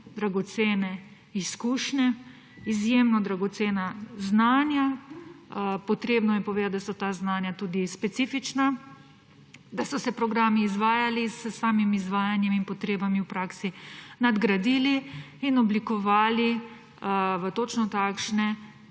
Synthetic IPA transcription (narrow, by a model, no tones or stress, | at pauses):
d̪ɾaɡɔt̪seːnɛ | iskuːʃnɛ | izjeːmnɔd̪ɾaɡɔt̪seːnaznaːnja | pɔt̪ɾeːbnɔjɛpɔʋeːd̪at̪̚d̪asɔt̪aːznaːnjat̪uːd̪ispɛt̪sifit͡ʃna | d̪asɔsɛpɾɔɡɾaːmiːzʋaːjalisəsaːmimizʋaːjanjɛminpɔt̪ɾeːbamiwpɾaːksinad̪ɡɾad̪ili | inɔblikɔʋaːli | ʋət̪ot͡ʃnɔt̪aːkʃnɛ